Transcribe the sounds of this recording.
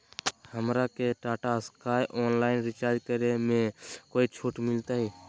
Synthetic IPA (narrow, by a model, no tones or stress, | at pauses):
həmɾakeʈaːʈaskaːjʔoːnlaːɪnɾɪt͡ʃaːɾd͡ʒkəɾemẽkoːit͡ʃʰuːʈmɪlt̪aːɦɛː